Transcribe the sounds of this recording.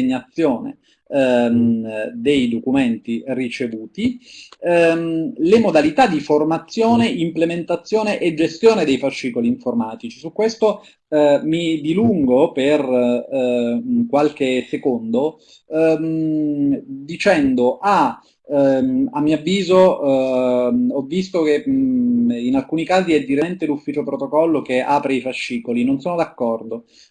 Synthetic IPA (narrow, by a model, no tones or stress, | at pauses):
ɲːat̪sːjoːnḛ | d̪ejd̪okument̪irit͡ʃevuːt̪i | lemod̪alit̪ad̪iformat̪sːjoːneʔimplement̪at̪sːjoːneʔed͡ʒːest̪joːned̪ejfaʃːiːkoliːɱformaːt̪it͡ʃisukːwest̪o | mid̪iluŋɡoper | kwalkesekond̪o | d̪it͡ʃɛnd̪oʔa | amːiavːiːzo | ɔvːis̬t̪oke | inalkuːnikaːziɛd̪iɾent̪elufːiːt͡ʃopɾot̪okɔlːokeaːpɾeifaʃːiːkolinonsoːnod̪akːɔrd̪o